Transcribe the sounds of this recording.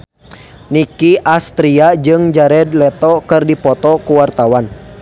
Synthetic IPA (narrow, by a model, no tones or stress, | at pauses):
nikiʔast̪ɾiad͡ʒɨŋd͡ʒaɾɛd̪lɛt̪ɔkɨrdipɔt̪ɔkuwart̪awan